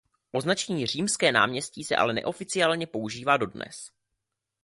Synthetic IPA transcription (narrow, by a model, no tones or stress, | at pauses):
ʔo̞znat͡ʃɛɲiːr̝iːmskɛːna̰ːmɲɛsciːsɛ̰ʔa̰lɛnɛ̰ʔo̞fɪt͡sɪaːlɲɛpo̞uʒiːvaːdo̞dnɛ̰s